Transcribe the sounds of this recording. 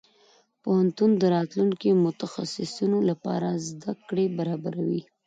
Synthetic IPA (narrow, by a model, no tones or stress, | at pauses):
pohant̪und̪əɾɑt̪luŋkimʊt̪axasɪsunolapɑ̰ɾazd̪akɽebaɾɑbaɾawi